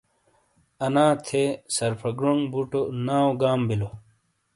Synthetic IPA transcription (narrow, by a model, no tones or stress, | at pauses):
ɐnãːt̪ʰesɐɾpʰɐɡɾoŋbuʈonaːwɡaːmbilo